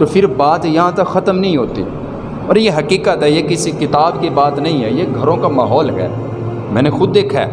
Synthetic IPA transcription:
t̪oːpʰɪɾbaːt̪jɐɦãt̪ɐkxɐt̪əmnɐɦĩɦoːt̪ḭː | ɔ̰ːɾjeɦɐkiːkət̪ɦɛjekɪsikɪt̪aːbkibaːt̪nɐɦĩɦɛjeɡʱɐɾõkamaːɦɔːlɦɛ̰ː | mɛ̃ːnexʊd̪eːkʰɛ̰ː

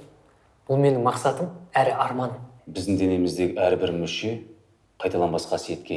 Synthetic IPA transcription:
b̥ʊlˠme̞nɪŋmɑqsɑt̪əmæɾɪʔɑɾmɑnbɪzd̪ɪŋd̪e̞ne̞mɪzd̪e̞ɡʲɪæɾbɪɾmʏʃe̞ | qʰɑjt̪ɑlˠɑnbɑsqɑse̞t̪kʲʰe

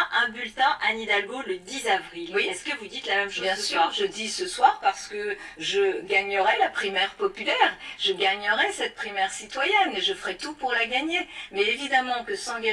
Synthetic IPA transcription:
ʔɛ̃bylt̪ɛ̃ʔanid̪alɡoləd̪izavʁilsə̥kəvud̪it̪lamɛmʃobjɛ̃syʁʒəd̪isəswaʁpaʁsə̥kəʒəɡaɲəʁɛlapχimɛʁpɔpylɛːʁʒ̥əɡaɲəʁɛsɛt̪̚pχimɛʁsit̪wajɛneʒəfə̥ʁɛt̪upuʁlaɡaɲemɛevid̪amɑ̃kəsɑ̃ɡa

